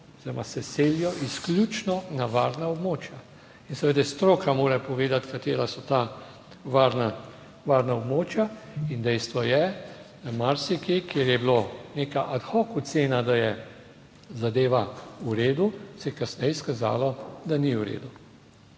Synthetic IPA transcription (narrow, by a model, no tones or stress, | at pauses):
ɔz̥iɾɔmasɛseːljɔʔisklʲjut͡ʃnɔnaʋaɾnaɔbmoːt͡ʃja | insɛʋeːd̪ɛst̪ɾoːkʰamoːɾɛpɔʋeːd̪at̪kat̪eːɾasɔt̪a | ʋaːɾna | ʋaːɾnaɔbmoːt͡ʃjaind̪ɛjst̪ʋɔjɛd̪̥amaɾsikikjeːɾjɛbiloneːkaʔat̪xɔːkuseːnad̪ajɛ | zad̪eːʋauɾeːd̪usɛjɛkasnɛjskaza̰ːlɔd̪aniuɾḛːd̪u